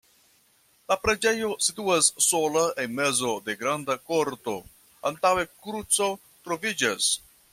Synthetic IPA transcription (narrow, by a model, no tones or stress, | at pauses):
lapɾe̞d͡ʒe̞jo̞situasːo̞laʔenme̞zo̞de̞ɡɾandako̞ɾto̞̰ | antawe̞kɾut͡so̞ | t̪ɾo̞vid͡ʒas